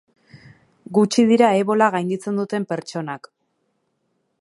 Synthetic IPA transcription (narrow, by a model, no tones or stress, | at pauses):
ɡut͡ʃið̞iɾaeβo̞laɣajŋɡit͡se̞nd̪ut̪e̞mpe̞ɾt͡ʃo̞nak